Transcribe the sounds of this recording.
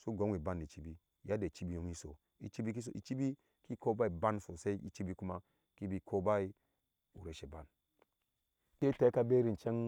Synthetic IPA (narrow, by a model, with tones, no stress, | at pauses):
su˦ɡo˨˦ŋwi˨ba˦nːi˨t͡ʃi˦bi˦˨ | ja˦de˨t͡ʃi˦bi˦jo˨˦ŋi˦so̰˨ | i˨t͡ʃi˦bi˦ki˦so˨i˨t͡ʃi˦bi˦ | ki˦ko˦ba˦i˨ba˦nso˨se˦i˦ḭ˦˨t͡ʃi˦bi˦ku˦ma˦ | ki˦bi˨˦kʰo˦ba˦i˦ | u˨ɾe˨ʃe˨ba˨n | te˦te˦ka˦be˦ɾi˨n˨t͡ʃe˦ŋ